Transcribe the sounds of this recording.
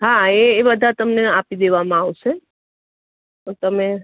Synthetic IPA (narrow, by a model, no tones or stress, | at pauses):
ɦaeːbəd̪ʱat̪əmneapid̪eʋamãaʋʃe | t̪ot̪əme